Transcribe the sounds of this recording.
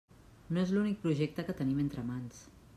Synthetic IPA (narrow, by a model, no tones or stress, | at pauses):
noezlunik̚pɾuʒek̚t̪əkət̪əniment̪ɾəmans